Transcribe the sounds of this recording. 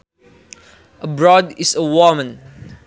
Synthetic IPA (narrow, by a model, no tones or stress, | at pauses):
ʔəbɹɔdisəwɔmə̃n